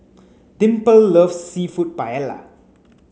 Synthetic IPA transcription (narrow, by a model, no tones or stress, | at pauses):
dĩmpəlːəfsifut̚pajɛla̰